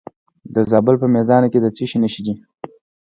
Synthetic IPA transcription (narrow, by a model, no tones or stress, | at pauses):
d̪əzɑbəlpəmezɑnoked̪ət͡siʃinəʃid̪i